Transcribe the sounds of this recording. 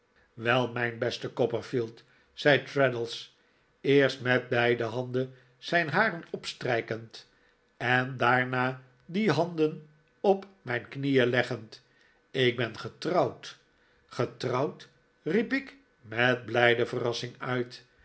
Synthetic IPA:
ʋɛlˠmɛjnbɛstəkɔpəɹfilˠt | sɛjtɹɛdəlˠs | ɪːɹstmɛt̚bɛjdəɦɑndən | z̥ɛjnɦaːrənɔpstrɛjkənt | ɛndaːɹnaː | diɦɑndən | ɔpmɛjnknijəlɛχənt | ɪɡ̚bɛnχətrɑwt | χətrɑwt | ripɪk | mɛt̚blɛjdəvərɑsɪŋœɥt

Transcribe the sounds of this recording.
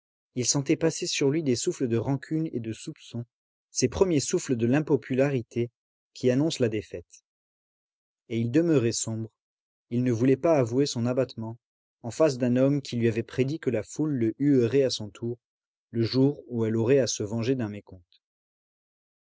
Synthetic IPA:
ilsɑ̃t̪ɛpasesyʁlɥid̪esufləd̪əʁɑ̃kʲʰyned̪əsupsɔ̃ | sepχəmjesufləd̪əlɛ̃pɔpylaʁit̪ʰe | kʲʰianɔ̃slad̪efɛt̪ | eild̪əməʁɛsɔ̃bʁ | ilnəvulɛpaːvuesɔ̃nabat̪mɑ̃ | ɑ̃fas̬d̪ɛ̃nɔmkʲʰilɥiavɛpχed̪ikəlafulːəʔyøʁɛasɔ̃t̪ʰuʁ | ləʒuʁuɛlɔʁɛasəvɑ̃ʒed̪ɛ̃mekɔ̃t̪

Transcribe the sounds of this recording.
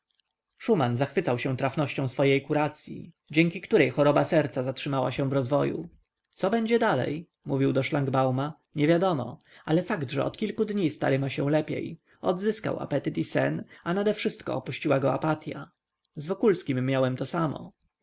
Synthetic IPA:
ʂumanzaxfɘt̪sawɕɛ̃t̪ɾafnɔɕt͡ɕɔ̃w̃sfɔjejkuɾat̪sʲjḭ | d͡ʑɛŋkʲikt̪uɾɛjxɔɾɔbasɛɾt̪sazatʂɘmawa̰ɕɛ̃vɾɔzvɔjṵ | t̪sɔbɛɲd͡ʑɛd̪alɛ̰j | muvʲiwd̪ɔʂlaŋɡbawma | ɲɛvʲjad̪ɔmɔ̰ | alɛfaɡd̪ʐɛ̰ɔ̰t̪kʲilkud̪ɲist̪a̰ɾɘmaɕɛw̃lɛpʲjḛj | ɔd̪zɘska̰wa̰pɛt̪ɘt̪isɛ̰nanad̪ɛfʂɘst̪kɔ̰ɔpuɕt͡ɕiwaɡɔapat̪ʲja̰ | zvɔkulskʲimːjawɛmt̪ɔsamɔ̰

